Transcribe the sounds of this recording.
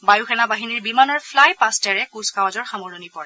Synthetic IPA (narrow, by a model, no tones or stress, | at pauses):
bajuxɛnabaɦiniɹbimanɔɹpʰlajpastɛɹɛkuskawazɔɹxamoɹonipɔɹɛ